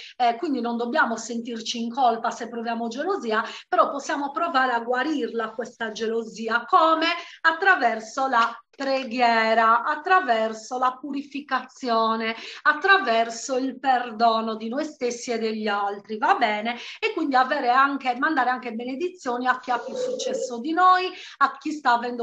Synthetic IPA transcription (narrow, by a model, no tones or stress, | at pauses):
ɛkwind̪inɔnd̪ɔbːjaːmɔsent̪irt͡ʃiːŋkɔlpasɛpːɾɔvjaːmɔd͡ʒeloziːapɛɾɔpːɔsːjaːmɔpɾɔvaːɾeaɡwaɾirlakwɛst̪ad͡ʒeloziːakɔːmɛat̪ːɾavɛrsɔlapɾɛɡjɛːɾaʔːt̪ːɾavɛrsɔlapuɾifikat̪sːjɔːnɛat̪ːɾavɛrsoilperd̪ɔːnɔd̪inɔjst̪esːiɛd̪ːeʎːialt̪ɾivabːɛːnɛɛkːwind̪iavɛːɾɛaŋkemand̪aːɾeaŋkebened̪it̪sːjoːniak̟ːiapːjusːut͡ʃːɛsːɔd̪inoːjakːist̪aːvɛnd̪